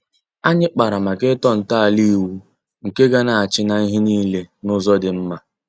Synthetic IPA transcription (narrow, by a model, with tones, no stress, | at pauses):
a˦ɲɪ˦k͡pa˨ɾa˨ma˨kɪ˦tɔ˦n̩˨ta˦a˨li˦˨wu˦ | ŋ̩˨ke˦ɡa˦na˨a˨t͡ʃɪ˦na˨i˦ɦɪ˦niː˦le˦nʊ˦zɔ˦dɪ˨m̩˦ma˦